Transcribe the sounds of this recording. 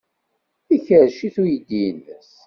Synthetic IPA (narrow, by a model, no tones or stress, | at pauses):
içəɾʃiθujəd̪ːijənːə̰s